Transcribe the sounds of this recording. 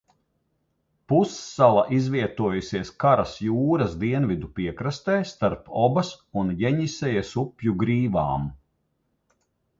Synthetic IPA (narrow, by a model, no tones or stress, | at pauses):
pusːalˠaʔizvʲiɛt̪uɔjusiɛskaɾasjuːɾɐs̬d̪iɛnvid̪upiɛkɾast̪ɛːst̪aɾpɔbɐsunjɛɲisɛjɛsupʲjuɡɾiːva̰ːm